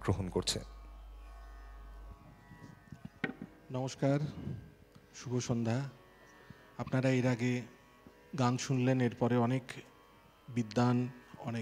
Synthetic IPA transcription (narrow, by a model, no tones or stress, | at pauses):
ɡɾoɦonkoɾt͡ɕʰḛ | nɔmoʃkaɾ | ʃubʱoʃond̪ʱa | apnaɾaeɾaɡe | ɡanʃunleneɾpɔɾeɔnek | bid̪ːanɔne